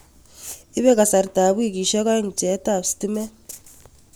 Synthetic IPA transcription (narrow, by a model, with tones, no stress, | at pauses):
i˦βɛ˦ka˨sa˨ɾi˨da˨βu˦i˦˨k̬i˨ʃɛ˦ka˦i˦ŋ̩˨t͡ʃɛ˨˦tʼa˦˨si̥ti˦mɛ˦